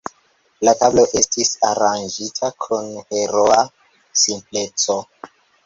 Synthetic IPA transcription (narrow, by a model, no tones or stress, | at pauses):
latablo̞ʔe̞stisaɾand͡ʒitʰakʰunhe̞ɾoa | simple̞t͡so